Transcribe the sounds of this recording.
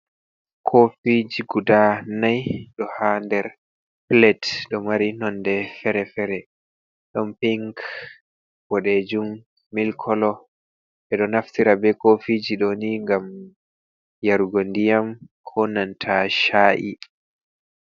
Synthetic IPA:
kʰofid͡ʒiɡudanajɗɔhandɛɾ | plɛtɗɔmaɾinɔndɛfɛɾɛfɛɾɛ | ɗɔmpiŋk | w̥ɔɗɛd͡ʒumː | ilkʰɔlɔ | ɓɛɗɔnaftiɾabɛkofid͡ʒiɗɔniŋɡam | jaɾuɡondijamkʰɔnantʰaʃaːʔḭ

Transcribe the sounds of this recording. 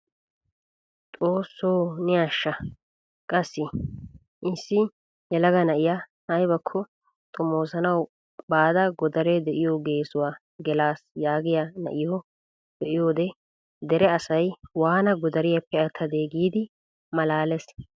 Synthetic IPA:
t̪ʼo̞ːsːoːnɪjaːʃːɐ | kʼɐsːɪ | ʔɪsːɪ | jɛlɐɡɐnɐʔɪja | hɐjbɐkʰːɔ | t̪ʼɔmo̞ːsɐnɐw | baːd̪ɐɡɔd̪ɐɾɛd̪ɛʔɪjɔɡe̞ːsʊwaː | ɡɛlaːsjaːɡɪjanɐ̰ʔɪjo | b̪̥ɛʔɪjoːd̪ɛ | d̪ɛɾɛɐsɐjwaːnɐɡɔd̪ɐɾɪjɐpːɛɐt̪ʰːɐd̪eːɡiːd̪ɪ | mɐlaːlɛs

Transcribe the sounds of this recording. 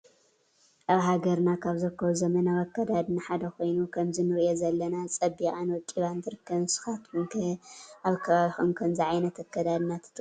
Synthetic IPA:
ʔaβɦaɡɐɾnakʰaβzɨɾɨkʰːɐβuzɐmɐnawɐkːɐd̪ad̪naħad̪ɐkʰo̞jnukʰɐmzɨnɨɾɨjozɐlːɐnat͡sʼɐbːiʔʼanwɔkʼiβant̪ʰɨɾɨkʰːɐβsɨ̥xat̪nkʰʔaβkʰɐβaβixunkʰɐmziʕajnɐt̪ʰɐkːɐd̪ad̪nat̪ʰɨ̥t̪ʰʼ

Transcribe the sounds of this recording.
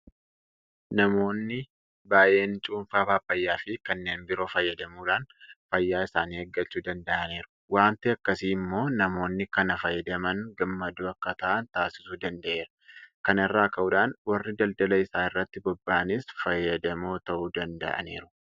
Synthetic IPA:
nɐmo̞ːnːɪ | baːje̞ːnt͡ʃʼuːɱfaːbaːfɐjːaːfɪkɐnːe̞ːnbɪɾo̞ːfɐjːɐd̪ɐmuːᶑaːnfɐjːaːɪsaːniːɐɡːɐt͡ʃːuːd̪ɐnd̪ɐʔɐneːɾʊ̥ | waːnt̪ɪɐkːɐsiːmːo̞ːnɐmo̞ːnːɪkɐnɐfɐjːɐd̪ɐmɐŋɡɐmːɐd̪uːɐkːɐt̪ɐʔɐnt̪aːsɪ̥suːd̪ɐnd̪ɐʔe̞ːɾɐ̥kɐnɪrːaːkɐʔʊᶑaːnwɐrːɪd̪ɐld̪ɐlɐɪsaːɪrːɐt̪ːɪbɔbːaːʔɐnɪsfɐjːɐd̪ɐmo̞ːt̪ɐʔuːd̪ɐnd̪ɐ̰ʔɐ̰neːɾʊ̥

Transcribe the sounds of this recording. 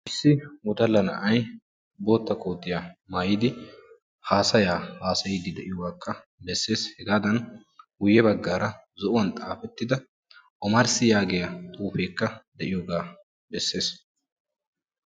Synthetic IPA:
ʔɪsːɪwɔt̪ɐlːɐnɐ̰ʔɐj | bo̞ːt̪ːɐkʼoːt̪ːɪjamaːjɪd̪ɪ | haːsɐjaːhaːsɐjɪd̪ɪd̪ɛʔɪjɔwaːkːɐ | bɛsːe̞ːshɛɡaːd̪ɐn | ɡʊjːɛbɐɡːaːɾɐ | zɔʔʊwɐnt̪ʼaːfɛt̪ːɪd̪ɐ | ʔɔmɐɾsɪjaːɡɛjɐt̪ʼuːfe̞ːkːɐd̪ɛʔɪjoːɡaː | bɛsːe̞ːs

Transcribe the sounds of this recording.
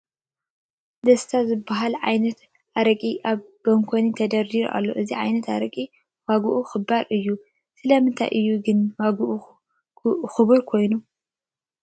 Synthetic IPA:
d̪ɐst̪ʰazɨbːaɦalʕa̰jnɐt̪ | ʔaɾɐkʼiʔaβbɐŋkʰonit̪ʰɐd̪ɐɾd̪iɾʔa̰lːo̞ʔɨziʕajnɐt̪a̰ɾɐkʼi | waɡuʔuxɨbːaɾʔɨjːu | sɨlɐmɨnt̪ʰa̰jʔɨjːuɡɨnwaɡʔu | xɨβuɾkʰo̞jnu

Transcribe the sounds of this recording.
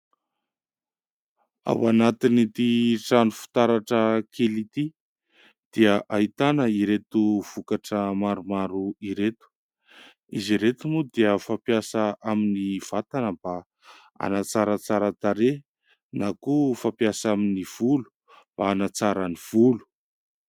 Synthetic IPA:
a̰wanat̪init̪iʈ͡ʂanufi̥t̪aɾaʈ͡ʂəkʰelit̪i | d̪̥iəʔait̪anəiɾet̪uv̥ukaʈ͡ʂəmaɾumaɾuiɾet̪u̥ | iziɾet̪umud̪iəfapjasəʔaminiv̥at̪anəba | a̰nat͡saɾət͡saɾət̪aɾe | nakufapiasaminiv̥ulu̥ | b̥aːnat͡saɾəniv̥ulu̥

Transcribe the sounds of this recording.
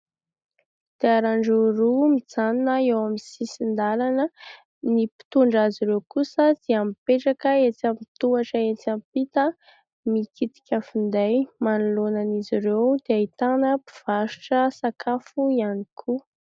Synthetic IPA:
d̪̥eaɾaɳɖ͡ʐuɾumid͡zaninəewamsisind̪alanə | nipi̥t̪uɳɖ͡ʐaziɾewkusəd̪̥eampeʈ͡ʂakəet͡samit̪uaʈ͡ʂəet͡sampit̪ə | mikit̪i̥kʲəfund̪ajmanulonaniziɾewd̪̥eait̪anəpi̥v̥aʃu̥ʈ͡ʂəsakʰafuianikʰu

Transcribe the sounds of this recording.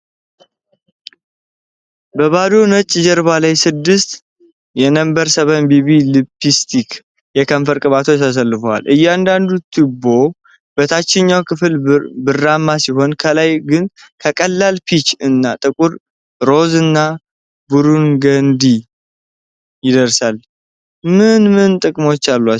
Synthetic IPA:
bəβad̪o̞nət͡ʃʼːd͡ʒɛɾβalajsɨd̪ːɨst̪ | jɛnəmbəɾsəβənbiβilɨpːist̪ʰik | jɛkʰəɱfəɾkʼɨβat̪ʰot̪ʰas̬əlːɨfəwa̰lʔɨjːɛand̪and̪ut̪ʰːɨbːo̞ | b̥ət̪ʰat͡ʃːɪɲːawkʰɨfɨlbɨrːamːasiɦo̞nkʰəlajɡɨn | kʰəkʼəlːalpʰit͡ʃɨnːat̪ʼɨkʼuɾ | ɾo̞zɨnːa | buɾunɡənd̪i | jɪd̪əɾsal | mɨnmɨnt̪ʼɨkʼmo̞t͡ʃːalːa

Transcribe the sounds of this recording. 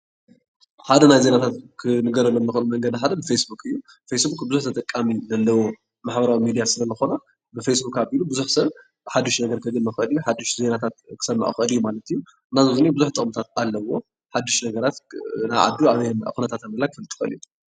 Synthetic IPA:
ħad̪ɐnajze̞nat̪ʰat̪kʰɨnɨɡɐɾɐlɐmːɨxɨnumɐŋɡɐd̪ħad̪ɐbɨfesbukʼɨjːu | fejsbukʼbɨzuħt̪ʰɐt̪ʼɐkʼːamizɐlːɐwo̞ | maħbɐɾawimid̪ijasɨlɐzɨxona | bɨfejsbukaβilubɨzuħsɐβ | ħad̪ːuʃnɐɡɐɾkʰɨɡɨnːɐxɨlijuħad̪ːuʃze̞nat̪ʰat̪̚kʰɨ̥sɐmːa̰ʔṵxʔɨlijːumalɐt̪ʰijːu | ɨnːazozɨnebɨzuħt̪ʼɨ̰χmut̪ʰat̪alːɐwo̞ | ħad̪ːuʃnɐɡɐɾat̪naʕa̰d̪uaβa̰xunɐt̪ʰat̪amɐlakʰɨ̥fɨlɨt̪ʼi̥xɐ̰lḭt̪

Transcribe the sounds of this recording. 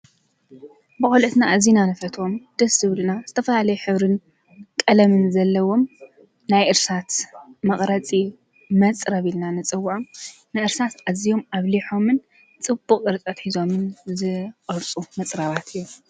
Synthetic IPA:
bɨkʼolɨt̪naʔːzinanɨfɐt̪ʰo̞md̪̥ɐsɨβlɨnaz̥ɨt̪ʰɐfɐlalɐjuħɨβɾɨn | kʼɐlɐmɨnzɐlːɐwo̞m | najʔɨɾsat̪mɐχʼɾɐt͡sʼi | mɐt͡sʼɾɐβilnanɨt͡sʼɨwːʕom | nɨʔɨɾsat̪azijo̞maβliħo̞mɨn | t͡sʼɨb̥ːuqʼɨɾt͡sʼɐt̪ħizo̞mɨnzɨqʼɨɾt͡sʼumɐt͡sʼɾaβat̪ʰɨjːom

